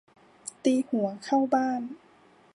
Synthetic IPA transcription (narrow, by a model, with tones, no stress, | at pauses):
t̪iː˧hu˩˦ɐkʰa˥˩wbaː˥˩n